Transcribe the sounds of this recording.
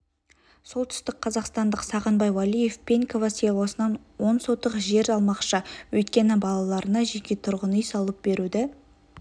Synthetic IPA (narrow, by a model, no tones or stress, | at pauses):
so̞lˠt̪ʰʏ̥st̪ɪk̚qʰɑzɑqst̪ɑnd̪əqsɑʁənbɑjwalije̞fpʲe̞ŋkʰo̞vɑsijɑwosənɑn | wo̞nso̞t̪ːəqʒe̞ɾɑlˠmɑqʃɑwɵjt̪̚kʲe̞nɪbɑlˠɑlˠɑɾənɑʒekʲe̞t̪ʰʊɾʁənəijsɑlˠəp̚be̞ɾud̪ɪ